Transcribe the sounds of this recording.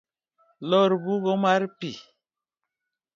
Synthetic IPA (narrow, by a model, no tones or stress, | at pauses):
lɔɾbuɣɔmaɾpi